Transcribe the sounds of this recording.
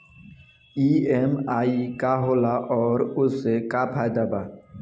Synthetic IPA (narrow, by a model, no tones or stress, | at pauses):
iemaːikaɦoːlaʔɔːɾʊsːekapʰaːjd̪abaː